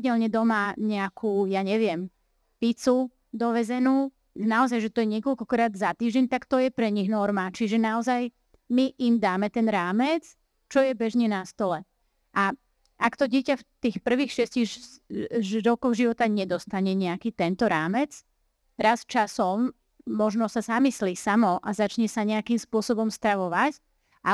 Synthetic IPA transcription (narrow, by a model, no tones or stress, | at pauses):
ɟɛlɲɛd̪ɔmaɲɛakʰuːjaɲɛʋɪɛm | pit͡su | d̪ɔʋɛzɛnuː | naɔzajʒɛt̪ɔjɛɲɪɛkɔlkɔkɾaːd̪zat̪iːʒɟɛɲt̪akt̪ɔjɛpɾɛɲiɣnɔɾmat͡ʃiʒɛnaɔzaj | miʔimd̪aːmɛt̪ɛnɾaːmɛt͡s | t͡ʃɔjɛbɛʒɲɛnast̪ɔlɛ | ʔa | ʔakt̪ɔɟɪɛcaft̪iːxpr̩ʋiːxʃɪɛsciɣ | ɾɔkɔɣʒiʋɔt̪aɲɛd̪ɔst̪aɲɛɲɛakiːt̪ɛnt̪ɔɾaːmɛt͡s | ɾast͡ʃasɔmː | ɔʒnɔsazamislisamɔʔazat͡ʃɲɛsaɲɛakimspʊɔsɔbɔmst̪ɾaʋɔʋac | ʔa